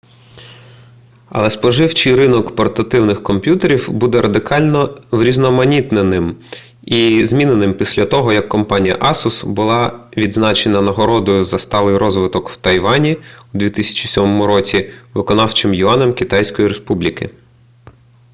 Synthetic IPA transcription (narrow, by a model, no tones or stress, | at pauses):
ɐ̰lˠɛspɔʒɪwt͡ʃɪjɾɪnɔkpɔrt̪ɐt̪ɪwnɪxkɔmpʲjut̪eɾʲiwbud̪ɛɾɐd̪ɪkɑlʲnɔʋɾʲiznɔmɐnʲit̪nenɪm | izmʲinenɪmpʲisʲlʲɐt̪ɔɦɔjɐkːɔmpɑnʲijɐ̰ʔɑsʊsbʊlˠɑʋʲid̪znɑt͡ʃenɐnɐɦɔɾɔd̪ɔjʊzɐst̪ɑlˠɪjɾɔzʋɪt̪ɔkw̥t̪ɐjʋɑnʲiʊd̪ʋʲit̪ɪsʲɐ̥t͡ʃi̥sʲɔmɔmʊɾɔt͡sʲiʋɪkɔnɑwt͡ʃɪmjʊɑnɛmkʲɪt̪ɑjsʲkɔjiɾespublʲikɪ̰